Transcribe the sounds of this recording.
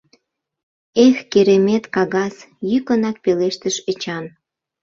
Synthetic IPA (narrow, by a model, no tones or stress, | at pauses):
exkeɾemet̪kɑɣɑsjykənɑk̚peleʃt̪əʃət͡ɕɑn